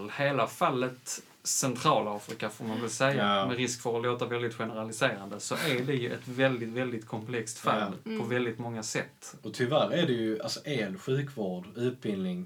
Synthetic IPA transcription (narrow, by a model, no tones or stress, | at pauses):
lheːlafalːət̪ | sɛnt̪ʰɾɑːlɑːfɾɪkafɔɾmanvɪlsɛjːamɛɾɪskfəɾɔloːt̪avɛld̪ɪt̪ɧɛnəɾalɪseːɾand̪əsɔʔæɖɛjɵʔɛt̪vɛld̪ɪt̪vɛld̪ɪt̪kʰɔmpʰlɛkst̪fa̰lːpʰɔvɛld̪ɪt̪mɔŋːasɛt̪ːɔt̪ʰʏvæɾæɖɛjɵalsɔʔeːlɧʉ̟ːkvoːɖʉ̟ːt̪̚bɪlnɪŋ